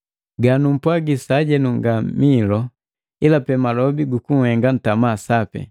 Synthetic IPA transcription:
ɡanum̩pwaɡisaɟɛnuŋɡamilɔ | ilapɛmalɔbiɡukuŋ̩hɛŋɡan̩tamasapɛ̰

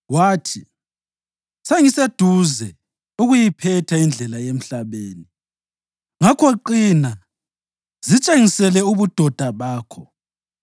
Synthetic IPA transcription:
waːtʰi | seŋised̥ʱuzɛ | uɣujipʰɛtʰaind͡ɮʱɛlajem̩ɬaβeːni | ŋakʰɔǃina | z̥it͡ʃʼeŋisɛlɛuβud̥ʱɔd̥ʱaβaːkʰɔ

